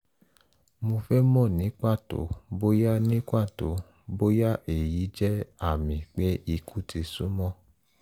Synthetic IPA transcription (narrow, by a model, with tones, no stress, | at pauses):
mo˧fɛ˦mɔ̃˦˨nĩ˨˦kʷa˦˨to̰˨˦bo˦ja˦nĩ˦kʷa˦˨to̰˨˦ | bo˦ja˦ʔe˨ji˨˦d͡ʒɛ˦a˦˨mĩ˨k͡pe˨˦i˧ku˦ti˧su˦mɔ̃˦˨